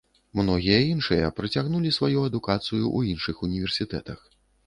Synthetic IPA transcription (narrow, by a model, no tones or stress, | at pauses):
mnɔɣʲijɐinʂɨjɐ̰pɾɨt͡sʲaɣnulʲisvajuɐd̪ukat̪sɨjuʔuinʂɨxunʲivʲɛrsʲit̪ɛ̰t̪ɐx